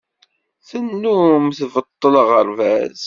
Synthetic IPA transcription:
θənːumθvət̪ˤːələʁəɾvæz

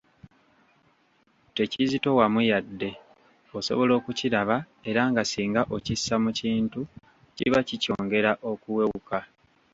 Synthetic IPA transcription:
te̞cizito̞wamujadːe̞ | oso̞̰βo̞lo̞ːkuciɾaβa | e̞ɾaŋɡasiːŋɡaʔocisːamuciːntu | cḭβacico̞̰ːŋɡe̞ɾaʔo̞kuwe̞wuka

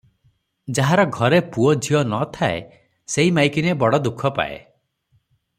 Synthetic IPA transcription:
d͡ʒaɦaɾɔɡʱɔɾepuɔd͡ʒʱiɔnɔt̪ʰaḛ | seɦimajkinebɔɽɔd̪ukʰːɔpa̰ḛ

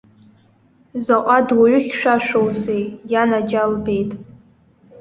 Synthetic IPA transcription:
zaqʷʼadwaɥʷʊχʲʃʷᶣaʃʷᶣowzejjanad͡ʒalbe̞jtʼ

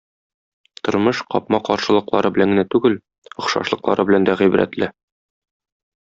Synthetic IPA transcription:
t̪ŏɾmɤʃqɒpmɑqɒɾʃɤ̆lˠɤ̆qlˠɑ̰ɾɤbɘ̆æŋɡɘ̆næt̪ʉɡɘl | ŏχʃɑ̰ʃlˠɤ̆qlˠɑ̰ɾʔɤbɘ̆lænd̪æʁijbɾæ̰t̪lɘ

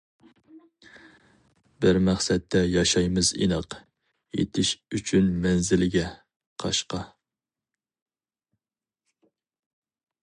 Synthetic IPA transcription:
bɪɾmæχsɛt̪ʰːɛjɑʃɑjmɨzḭnɨq | jḛt̪ʰɪʃyt͡ʃʰynmɛnzɪlɪɡʲɛ | qʰɑ̰ʃqɑ

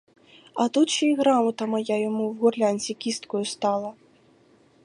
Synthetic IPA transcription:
ɐt̪ut͡ʃiɣɾamɐt̪ɐmɐjajamuwɣurlʲanʲsʲikʲist̪kujust̪alˠɐ

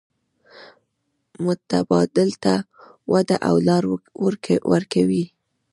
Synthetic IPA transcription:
mʊt̪abɑd̪ɪlt̪a | wad̪aʔa̰wlɑɾɾwaɾkawi

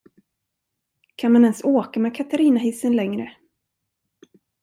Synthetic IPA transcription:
kʰanmanɛnsoːkamɛːkʰat̪aɾiːnaɦɪsːənlɛŋɾə

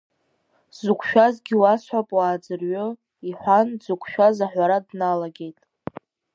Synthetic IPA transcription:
zukʷʰʼʃᶣazɡʲiwasħʷapʼwaːd͡zɨrɥʊ | iħʷanzukʷʰʃᶣazaħᶣʷaɾadnalaɡʲe̞jtʼ

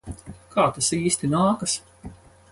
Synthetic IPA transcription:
kʰaːt̪asiːsʲt̪inaːkɐs

